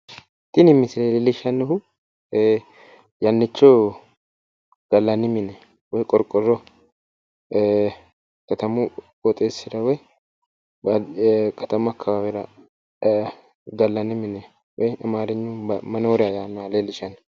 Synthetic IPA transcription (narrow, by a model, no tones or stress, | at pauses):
t̪ʼɪnɪmːɪsɪlelɪlɪʃɐnːɛhʊ | jɐnːɪt͡ʃːɔ | ɡ̥ɐlːɐnɪmɪnɛ | wɔjkʼɔɾkʼːɔrːɔ | kɐt̪ɐmu | wɔt̪ʼeːsɪɾɐwɔj | bɐkʰɐt̪ɐmɐkʰːɐbabɛɾɐ | ɡ̪ɐlːɐnɪmɪnɛ | wɔjɐmaːɾɛɲːumɐnoːɾɪajanːaleːlɪʃɐnːɛ